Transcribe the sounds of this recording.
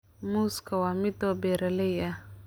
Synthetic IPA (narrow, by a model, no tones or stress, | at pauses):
muskʰawamɪd̪ɔbɛɾalɛja